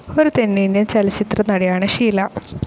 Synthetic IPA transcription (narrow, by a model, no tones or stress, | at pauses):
oɾut̪enːenent͡ɕɐlɐt͡ɕit̪rɐnɐɽijaːɳɨʂiːlɐ